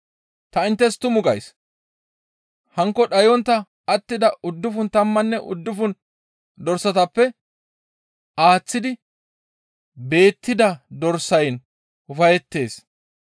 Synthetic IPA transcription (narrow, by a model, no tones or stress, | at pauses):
t̪ɐɪnt̪ːɛst̪ʊmʊɡɐ̰js | hɐŋkːɔɗɐjɔnt̪ːɐ | ɐt̪ːɪd̪ɐʊd̪ːʊfʊnt̪ɐmːɐnːɛʔʊ̰d̪ːʊfʊn | d̪ɔɾsːɐt̪ɐpːɛ | aːt͡sːɪd̪ɪ | be̞ːt̪ːɪd̪ɐd̪ɔɾsɐjn | ʊfɐjɛt̪ːe̞ːs